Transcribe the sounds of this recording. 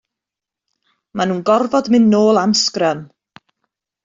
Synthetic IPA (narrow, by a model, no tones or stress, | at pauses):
manuːnɡɔrvɔdmɪnːoːlˠamskrɛn